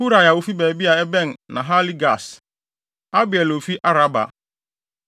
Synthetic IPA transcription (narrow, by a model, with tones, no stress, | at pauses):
hu˦ɾa˨ja˨wo˦fi˦bɛː˨bi˦a˨ɛ˦bɛ̃˦˨n˨nã̰˨ɦa˦li˦ɡa˨s | a˦bɪ˨ɛ˨lo˨fi˦ʔa˦ɾa˦ba̰˨